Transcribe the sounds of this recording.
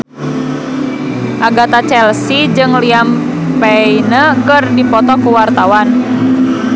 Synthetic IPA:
ʔaɡat̪at͡ʃɛlsid͡ʒɨŋliam | pɛinəkɨrdipɔt̪ɔkuwart̪awan

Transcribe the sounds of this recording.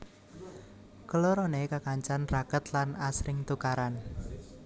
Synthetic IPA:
kəloɾonekakaɲt͡ʃanrakət̪lanasɾɪŋt̪ukaɾan

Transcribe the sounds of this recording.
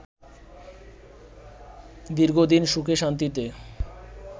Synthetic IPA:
d̪iɾɡod̪inʃukʰeʃant̪it̪e

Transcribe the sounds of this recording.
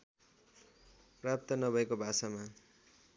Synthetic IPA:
prap̚t̪ʌnʌbʱʌekobʱasama

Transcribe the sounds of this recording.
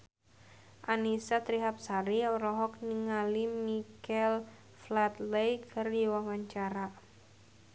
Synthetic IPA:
ʔanisat̪ɾiɦap̚saɾiɔɾɔɦɔk̚niŋalimikɛl | flat̪lejkʰɨrdiwawaɲt͡ʃaɾa

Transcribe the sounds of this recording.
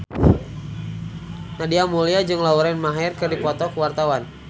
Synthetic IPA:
nadiamuliad͡ʒɨŋlauɾɛnmaɦɛrkɨrdipɔt̪ɔkəwart̪awan

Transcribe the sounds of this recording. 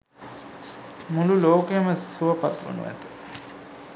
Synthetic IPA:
mululoːkeəməsuəpat̪ʋə̰nṵʋæ̰t̪ə

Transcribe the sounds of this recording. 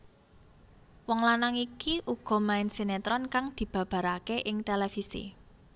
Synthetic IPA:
wɔŋlanaŋikiʔuɡ̥ɔ̤maɪnsinet̪ɾɔnkaŋd̪̥i̤b̥ä̤b̥a̤ɾakeʔɪŋt̪elefisḭ

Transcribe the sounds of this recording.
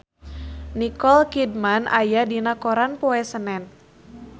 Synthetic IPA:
nikɔlkidmanʔa̰jadinakoɾanpɔɛsənɛn

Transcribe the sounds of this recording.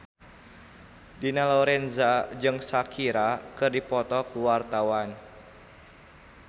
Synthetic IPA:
dinalɔɾɛnzad͡ʒɨŋsakʰiɾakɨrdipɔt̪ɔkuwart̪awan

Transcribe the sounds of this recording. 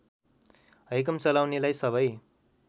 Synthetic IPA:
ɦʌjk̬ʌmt͡sʌlawnelajsʌβʌj

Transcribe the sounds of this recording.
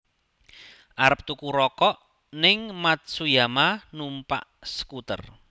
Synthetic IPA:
ʔaɾəp̚t̪ukuɾɔkɔʔ | nɪŋmat̪̚sujamanumpa̰ʔsə̥kut̪ə̰r

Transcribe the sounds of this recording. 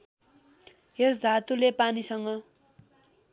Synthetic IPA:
ɦesd̪ʱat̪ulepanisʌŋʌ

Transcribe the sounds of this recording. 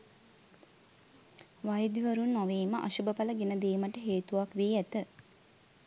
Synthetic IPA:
ʋajəd̪iʋəɾunːɔʋeːməʔa̰ʃubəpaləɡenəd̪eːməʈəɦeːt̪uʋakʋeːæt̪ə

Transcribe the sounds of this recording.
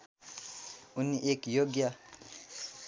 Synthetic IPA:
unːiʔekjoɡja

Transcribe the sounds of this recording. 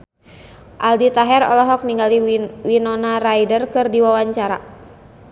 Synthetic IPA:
ʔaldit̪aɦɛɾɔ̰lɔɦɔk̚niŋɡaliwinɔnarajdərkɨrdiwawaɲt͡ʃaɾa

